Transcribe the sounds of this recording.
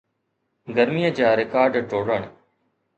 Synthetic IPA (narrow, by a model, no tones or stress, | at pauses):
ɡəɾmijəd͡ʒaːɾɪkaːɾɖʈoːɽəɳ̃